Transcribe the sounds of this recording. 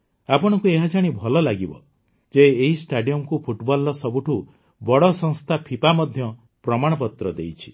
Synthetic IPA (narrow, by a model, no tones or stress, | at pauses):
apɔɽ̃ɔkueɦad͡ʒaɽ̃ibʱɔlɔlaɡibɔ̰ | d͡ʒeːɦisʈaɖiɔmkupʰuʈbɔlɔsɔbuʈʰu | bɔɽɔsɔŋst̪ʰapʰipamɔd̪ʱjɔ | pɾɔmaɽ̃ɔp̬ɔt̪ɾɔd̪ḛjt͡ʃʰi̥